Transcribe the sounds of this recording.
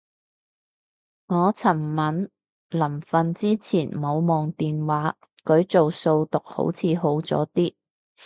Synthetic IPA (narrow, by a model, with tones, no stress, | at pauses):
ŋɔː˨˧t͡sʰɐ˨˩mmɐ˨˥n | lɐ˨˩mfɐ˨nt͡siː˥t͡sʰiː˨˩nmo˨˧wmɔː˨ŋt̪iː˨nwaː˨˥ | kɵ˨˧˥ɥt͡so˨wso˧wt̪ʊ˨k̚ho̰˨˥wt͡sʰiː˨˧ɦo˨˥wt͡sɔ̰ː˨˥t̪iː˥